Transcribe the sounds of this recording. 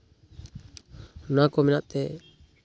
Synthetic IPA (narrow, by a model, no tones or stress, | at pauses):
nakɔmɛnaʔt̪ɛ